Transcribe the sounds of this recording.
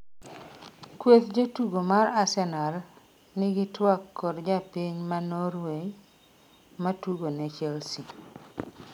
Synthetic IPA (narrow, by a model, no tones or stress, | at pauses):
kwet̪d͡ʒotuɡomaɾasɛnar | nɪɡɪtwakːɔdd͡ʒapiɲmanoɾwe | matuɡonɛt͡ʃɛlsi